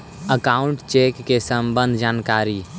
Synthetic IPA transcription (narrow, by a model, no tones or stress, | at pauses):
əkaːʊɳʈt͡ʃeːkːesəmbənd̪ʱd͡ʒaːnkaːɾi